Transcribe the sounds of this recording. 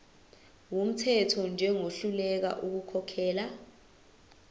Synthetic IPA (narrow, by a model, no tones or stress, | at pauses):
wom̩tʰɛtʰɔnd͡ʒʱɛŋoɬulɛk̬a̰ʔuk̬ukʰɔkʰɛːla